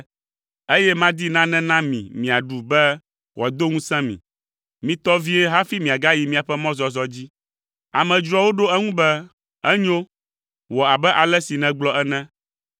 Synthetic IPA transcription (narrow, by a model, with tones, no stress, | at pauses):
e˦jɛ˦mã˦d̪i˦nã˦nɛ̃˦nã˦mḭ̃˨mĩ˨a˨ɖu˨bɛ˦ | xɔ˨d̪o˦ŋũ˦sɛ̃˦mḭ̃˨ | mĩ˨t̪ɔ˦vi˦ɛ˦ɦa˦fi˦mĩ˨a˨ɡa˦ji˨mĩ˦˨a˨ɸɛ˦mɔ̃˦zɔ˨zɔ˦d͡ʑi˦ | a˨mɛ̃˨d͡ʒɾɔ˦wo˦ɖo˦ɛ˦ŋũ˦bɛ˦ | ɛ˦ɲo˦ | wɔ˨a˨bɛ˦ʔa˨lɛ˦si˨nɛ̃˨ɡ͡blɔ˦ɛ˦nɛ̃˦